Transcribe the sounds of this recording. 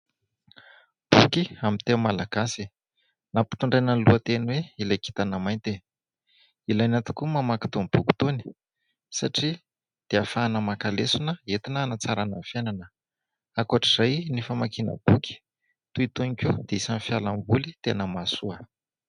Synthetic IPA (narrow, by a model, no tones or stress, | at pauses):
b̥ukiamit̪emalaɡ̥asi | napi̥t̪uɳɖ͡ʐajnənluət̪enweilajki̥t̪anəmajnt̪e | ilajnat̪i̥kumamaki̥t̪umb̥uki̥t̪uni̥ | saʈ͡ʂi | d̪̥eafaːnəmakalesunəet̪inəːnat͡saɾananfjananə | akuaʈ͡ʂiz̥ajnifamakinə̰b̥ukʲi̥ | t̪uit̪unikʲud̪̥eisanfjalambulit̪enəmasuə